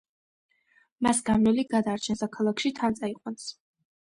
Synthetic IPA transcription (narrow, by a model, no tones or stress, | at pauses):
masɡamnɛliɡad̪aːɾt͡ʃʰɛnsakʰalˠakʰʃit̪ʰant̪sʼaiqʼwans